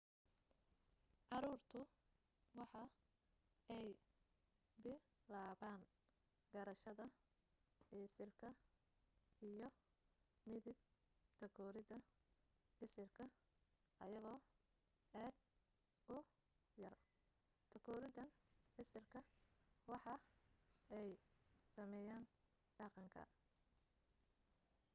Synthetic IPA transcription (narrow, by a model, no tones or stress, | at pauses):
ʕɑɾuːrt̪ʰʊ | wɑħɑ | ɛj | bɪlaːβaːŋ | ɡɐɾɐʃɐðɐ | ʕɪsɪrkʰɐ | ijɞ | mɪðib̚ | t̪ʰɐkʰɔːɾɪðɐ | ħɪsɪrkʰɐ | ʔɐjɐɣɔː | aːd̪ | ʊ | jɐr | t̪ʰɐkʰɔːɾɪdɐnħɪsɪrkʰɐwɑħɑ | ɛjsɐmɛjaːn | ɖɑqɑŋkʰɐ̰